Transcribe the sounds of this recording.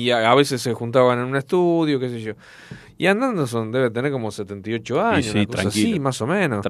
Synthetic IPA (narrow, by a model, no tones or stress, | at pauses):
iaβe̞ses̬ːexunt̪̬aβanenũneht̪uðjokes̬eʒo̞ | iand̪and̪os̬ond̪e̞βet̪eneɾko̞moset̪e̞nt̪ajo̞t͡ʃoaɲosikoɾa̰sakiimasomẽnos